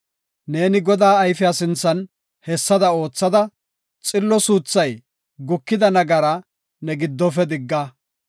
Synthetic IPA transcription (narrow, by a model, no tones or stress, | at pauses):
ne̞ːnɪɡɔd̪aːɐjfɪjasɪnt͡sːɐn | hɛsːɐd̪ɐo̞ːt͡sːɐd̪ɐ | t͡sʼɪlːɔsuːt͡sːɐj | ɡʊkːɪd̪ɐnɐɡɐɾɐ | nɛɡɪd̪ːɔfɛd̪ɪɡːɐ